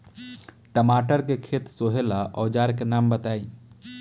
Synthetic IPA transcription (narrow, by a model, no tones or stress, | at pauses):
ʈəmaːʈəɾkekʰeːt̪soːɦelaʔɔːd͡ʒaːɾkenaːmbət̪aːiː